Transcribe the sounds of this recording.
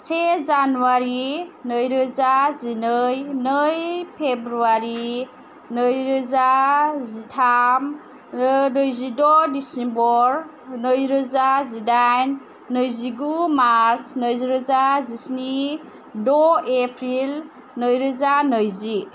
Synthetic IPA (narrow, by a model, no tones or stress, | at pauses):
sezanuaɾinəjɾɯzazinɯjnɯjpʰebɾuaɾi | nəjɾɯzazitʰam | nəjzidɔdisembɔɾ | nəjɾɯzazidajn | nɯjziɡumaɾɾsnəjziɾɯzazisni | dɔepʰɾil | nəjɾɯzanɯjzi